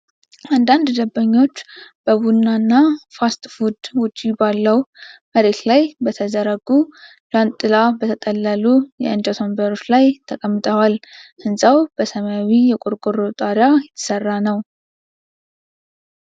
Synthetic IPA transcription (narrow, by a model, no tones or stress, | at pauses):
and̪and̪d̪əbːəɲːo̞t͡ʃːb̥əβunːanːafast̪ʼfud̪wʊt͡ʃʼːibalːəwməɾe̞t̪lajbət̪ʰəzəɾəɡu | blant̪ʼːɨlabət̪ʰət̪ʼəlːəlujɛ̰ɨnd͡ʒat̪ʰombəɾo̞t͡ʃːlajt̪ʰəkʼəmːɨt̪ʼəwalʔɨnsʼawb̥əsəmawijɛkʼoɾkʼoɾot̪ʼaɾjajɛt̪ʰːɨ̥sərːanəw